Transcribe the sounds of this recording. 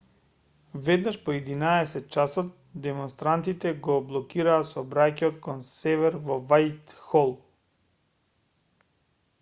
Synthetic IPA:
vɛd̪naʃpɔɛd̪inaɛsɛt̪̚t͡ʃasɔt̪̚ | d̪ɛmɔnst̪ɾant̪it̪ɛɡɔblˠɔkiɾaːt̪sɔbɾacɛɔt̪kɔnsɛvɛɾvɔvajt̪xɔlˠ

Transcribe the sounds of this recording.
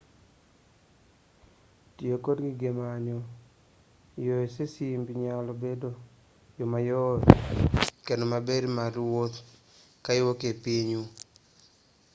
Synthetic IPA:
tjekodɡɪɡemaɲo | joesesimbiɲalɔbedo | jomajo | kenomabedmaɾwot̪ | kaɪwokepiɲu

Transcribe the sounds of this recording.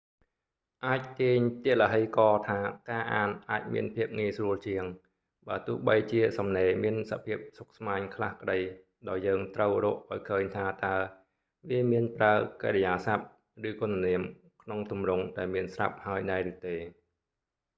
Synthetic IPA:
ʔaːc̚t̪iəɲt̪iəʔləɦɨjkɑːt̪ʰaːkaːʔaːnʔaːc̚mḭənpʰiəp̚ŋiəjsruəlt͡ɕiəŋ | ɓaːt̪ʊ̆əhɓəjt͡ɕiəsɑmneːmiənsa̰pʰiəp̚sok̚smaːɲkʰlahkəɗəj | ɗaɔjːəːŋt̪rəwro̰ːʔʔaɔjkʰəːɲt̪ʰaːt̪aə | ʋiəmiənpraəkeɾəjaːsap̚ | rɨːkoənːniəm | kʰnoŋt̪umrʊŋɗaɛlmiənsrap̚haəjnaɛɾɨːt̪eː

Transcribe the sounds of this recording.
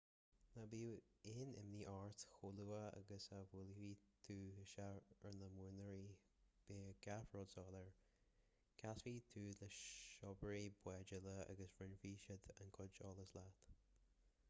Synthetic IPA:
nabiuɪnɪ̰mniːʔaɹt̪xuluːəa̰ɡəsavʊlviːt̪ʰuːəʃaəɹnəmuːnəɹi | b̥eːɡ̥afɹɔdsɔːləɹ | kʰasviːt̪ʰuːləʃɔbəɹibwɛd͡ʒələa̰ɡəsvɹɪnviːʃɪd̪ə̰nkʰʊd͡ʒɔːləslat̪

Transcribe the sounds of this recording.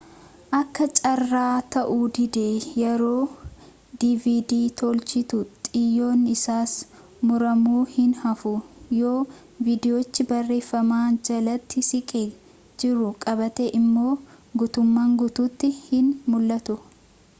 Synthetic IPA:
ʔɐkːɐt͡ʃʼɐrːaːt̪ɐʔud̪ɪd̪eːjɛɾo̞ː | d̪ivid̪iːt̪olt͡ʃɪt̪ʊt̪ʼɪjːo̞ːnɪsaːs | mʊɾɐmuːhɪnhɐfʊjo̞ː | viːd̪ɪjoːt͡ʃːɪbɐrːe̞ːfːɐmaːnd͡ʒɐlɐt̪ːɪsɪkʼe | d͡ʒɪɾʊkʼɐbɐt̪eʔɪmːo̞ː | ɡʊt̪ʊmːaːŋɡʊt̪uːt̪ːɪhɪnmʊlːɐt̪ʊ

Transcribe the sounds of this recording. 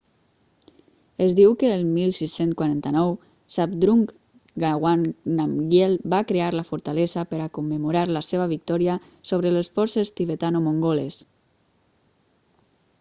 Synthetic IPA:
ezd̪iwkəːlˠmilˠsisenskwaɾant̪anɔw | sap̚d̪ɾuŋk | ɡaɣwaŋnamɡjelˠbakɾeaɾləfuɾt̪alezəpəɾakumːəmuɾaɾləseβ̞əβik̚t̪ɔɾiə | soβ̞ɾələsfɔɾsest̪iβət̪anomoŋɡoles

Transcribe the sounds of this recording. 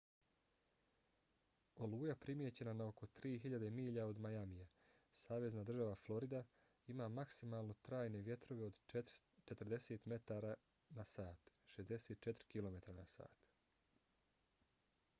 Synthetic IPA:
o̞luːjapɾimjet͡ɕe̞nanaoko̞t̪ɾiːɦiʎad̪e̞miːʎao̞d̪majamija | saːʋe̞znad̪r̩ʒaʋaflˠo̞ɾid̪a | imaːmaksimaːlˠno̞t̪ɾaːjne̞ʋje̞t̪ɾo̞ʋe̞o̞d̪t͡ʃe̞t̪rɾd̪e̞seːt̪me̞t̪aːɾa | nasaːt̪ʃezd̪e̞seːt̪̚t͡ʃe̞t̪ɾikilo̞me̞t̪ɾanasa̰ːt̪

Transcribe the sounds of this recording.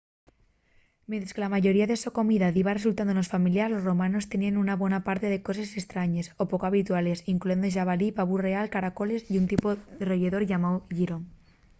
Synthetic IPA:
mjẽnt̪ɾḁske̞lamaʝo̞ɾiaðe̞soko̞miðaðiβares̬ult̪and̪unosfamiljazlo̞sro̞mãno̞st̪e̞nianunaβwe̞napaɾt̪eðeko̞sesest̪ɾaɲe̞so̞po̞koaβit̪uale̞siŋklue̞nd̪oʃ̬aβalipaβure̞alkaɾako̞le̞siunt̪ipoðeroʝeðo̞ɾʝamawʝiɾoŋ

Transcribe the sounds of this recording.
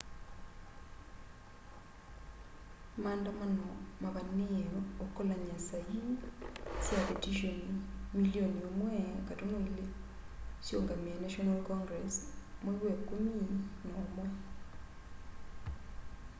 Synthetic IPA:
maːndamanɔmaβaneeokolaɲasai | sjapetiʃonimilioniomwɛkatonoile | ʃjoŋɡamianaʃonalkɔŋɡɾesmwoiwekominaomwɛ

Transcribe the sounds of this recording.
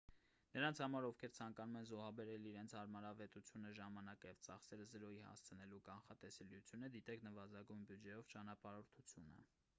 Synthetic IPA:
nəɾɑnt͡sʰhɑmɑɾɔvkʰɛɾt͡sʰɑŋkɑnumɛnzɔɦɑbɛɾɛliɾɛnt͡sʰhɑɾmɑɾɑvɛt̪ut͡sʰjunəʒɑmɑnɑkəjɛvt͡sɑχsɛɾəzəɾɔjihɑ̰st͡sʰənɛlukɑnχɑt̪ɛsɛljut͡sʰjunəd̪it̪ɛkʰnəvɑzɑɡujnbjud͡ʒɛjɔvt͡ʃɑnɑpɑɾɔɾt̪ʰut͡sʰjunə̰

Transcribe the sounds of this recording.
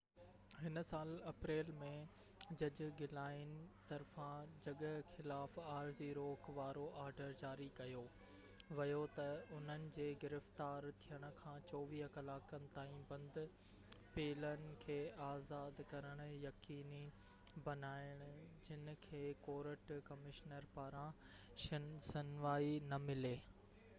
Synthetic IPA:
ɦɪn̆saːlɐpɾeːlmẽ | d͡ʑɐd͡ʑʊ̆ɡɪlaːɪnɪ̆t̪ɐɾfãd͡ʑɐɠəxɪlaːfaːɾziɾoːkʋaːɾoʔaːɾɖəɾd͡ʑaːɾikɐjo | ʋɐjot̪ɐʊn̤ənɪ̆d͡ʑeːɡɪɾəft̪aːɾt̪ʰijəɽ̃ʊ̆kʰãːt͡ɕɔːʋiːɦkɐlaːkənɪ̆t̪aːĩbɐ̃nd̪ʊ | peːlənɪ̆kʰeːaːzaːd̪kɐɾəɽ̃ʊjɐkiːni | bɐnaːɪɽ̃ʊ̆d͡ʑɪnɪ̆kʰeːkoːɾəʈkɐmɪʃnəɾpaːɾã | ʃsɪnʋaːinɐmɪleː

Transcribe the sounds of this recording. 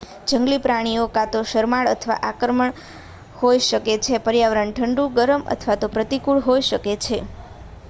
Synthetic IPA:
d͡ʒəŋɡlipɾaɽ̃iokat̪oʃəɾmaɭə̰t̪ʰʋa̰ʔakɾəməɳ | hojʃəket͡ʃʰepəɾjaʋəɾəɳʈʰəɳɖuɡəɾəmə̰t̪ʰʋat̪opɾət̪ikuɭɦojʃəket͡ʃʰe

